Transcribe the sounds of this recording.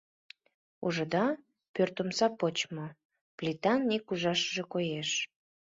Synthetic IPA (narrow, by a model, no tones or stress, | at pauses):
uʒə̆d̪ɑ | pørt̪əmsɑpot͡ɕmo | plʲit̪ɑnːikuʒɑʃəʒekojeʃ